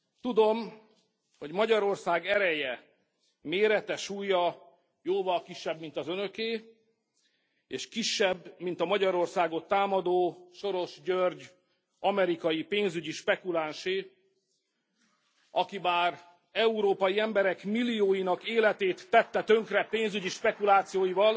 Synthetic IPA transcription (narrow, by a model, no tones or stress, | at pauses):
t̪ud̪o̞m | ho̞ɟmɒɟɒɾo̞rsaːɡɛɾɛjɛ | meːɾɛt̪ɛʃuːjɒ | joːvɒlkiʃːɛbmint̪ɒzønø̞keː | eːʃkiʃːɛbːmint̪ɒmɒɟɒɾo̞rsaːɡo̞t̪ːaːmɒd̪oːʃo̞ɾo̞ʃɟørɟ | ɒmɛɾikɒjipeːnzyɟiʃpɛkulaːnʃeː | ɒkibaːr | ɛuɾoːpɒjiɛmbɛɾɛkmilːijoːjinɒkeːlɛt̪eːt̪ːɛt̪ːɛt̪ø̞ŋkrɛpeːnzyɟiʃpɛkulaːt̪sijoːjivɒl